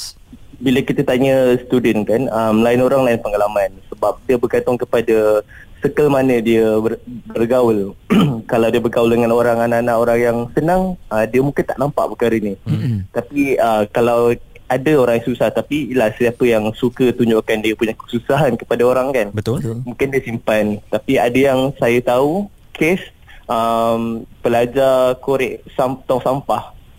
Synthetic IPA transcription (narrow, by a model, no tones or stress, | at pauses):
biləkit̪ət̪aɲəsə̥t̪udənkanəmlaɪnoɾaŋlaɪnpəŋalamansəbap̚diəbərkant̪ʊŋkəpada | səkəlmanədiəbərɡawəlkalawdiəbərɡawəldəŋanoɾaŋananaʔoɾaŋjaŋsənaŋədiəmũŋkɪnt̪aʔnampa̰ʔbəkaɾəinit̪apiəkalaw | adəoɾaŋjaŋsusaht̪apilahsə̥sapəjaŋsukət̪uɲd͡ʒoʔkandiəpuɲakə̥susaɦankə̥padaoɾaŋkanbət̪ʊmũŋkɪndiəsimpant̪apiadəjaŋsajat̪au | kʰes | ʔəmpəlad͡ʒakoɾɪʔsamt̪ɔŋsampah